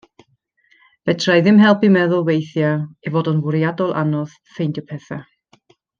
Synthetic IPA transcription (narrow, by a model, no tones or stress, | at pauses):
v̥ɛtʰrajðɪmɦɛlˠpimɛðʊlˠwejθjaivoːdɔnvʊɾjadɔlˠʔa̰nɔð̥ | fejndjɔpʰɛθa